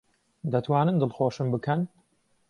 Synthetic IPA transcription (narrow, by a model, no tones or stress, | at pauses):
d̪ɐt̪ʰwaːnɨnd̪ɨlˠxoːʃɨmbɨkʰɐn